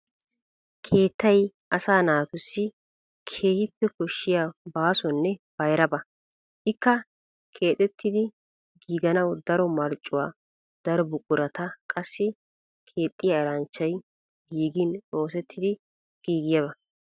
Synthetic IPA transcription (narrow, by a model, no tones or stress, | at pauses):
kʰe̞ːt̪ːɐj | ʔɐsaːnaːt̪ʊsːɪ | kʰe̞ːhɪpːɛkɔʃːɪjaːbaːsɔnːɛb̥ɐjɾɐbɐ | ʔɪkːɐ | kʰeːt̪ʼɛt̪ʰːɪd̪ɪ | ɡiːɡɐnɐwd̪ɐɾɔmɐɾt͡ʃʼːʊwaː | d̪̥ɐɾɔbʊkʼʊɾɐt̪ɐkʼɐsːɪ | kʰe̞ːt̪ʼːɪjaːɪɾɐnt͡ʃːɐj | ɡiːɡɪno̞ːsɛt̪ʰːɪd̪ɪ | ɡ̥iːɡɪjɐβɐ